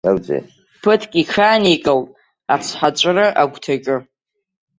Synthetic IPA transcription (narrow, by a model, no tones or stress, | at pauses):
awd͡zḛ | pʰɨtʰkʲikʰaːnikʼɨltʼ | at͡sʰħat͡ʃʷʼrɨʔaɡʷtʰakʲʼɪ